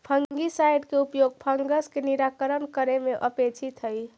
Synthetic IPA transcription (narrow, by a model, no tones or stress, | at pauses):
pʰəŋɡisajɖkeupjoɡ̚pʰəŋɡəskeniɾakəɾənkəɾemeʔəpet͡ʃʰit̪ɦəj